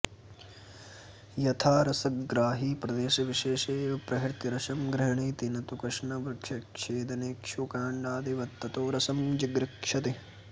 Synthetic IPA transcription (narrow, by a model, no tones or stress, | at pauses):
jɐt̪ʰaːɾɐsɐkɡɾaːɦiːpɾɐd̪eːʃɐʋiʃeːʃeːɐpɾɐɦiɾt̪iɾɐʃɐmɡɾɐɦɳiːt̪inɐt̪ukɐʂɳɐʋɾɐkʂɐkʂeːd̪ɐneːkʃukaːɳɖaːd̪iʋɐt̪ːɐt̪oːɾɐsɐmd͡ʒiɡɾɐkʂɐt̪i